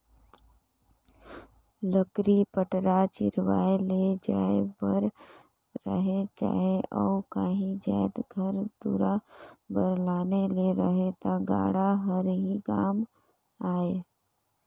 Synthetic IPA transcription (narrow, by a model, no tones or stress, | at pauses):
ləkɾipəʈɾat͡ʃɪ̰ɾwa̰ːeled͡ʒaːebəɾ | ɾə̰ɦet͡ʃa̰ːɦeʔɔːkaːɦĩd͡ʒaːjd̪ɡʱəɾd̪ṵɾabəɾlaːneleɾəɦet̪aɡa̰ːɽaɦəɾɦikaːm | aːe